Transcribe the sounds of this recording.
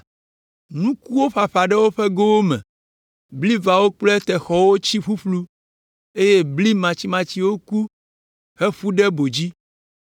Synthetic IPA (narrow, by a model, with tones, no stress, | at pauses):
nũ˦ku˦wo˦ɸa˨ɸa˨ɖɛ˦wo˦ɸɛ˦ɡo˦wo˦mɛ̰̃˨ | bli˦va˨wo˦k͡plɛ˦t̪ɛ˨xɔ˨wo˦t͡ɕi˦ɸu˦ɸlu˦ | e˦je˦bli˦mã˨t͡ɕi˨˦mã˨t͡ɕi˦wo˦ku˦ | hɛ˦ɸu˦ɖɛ˦bo˨d͡ʑi˦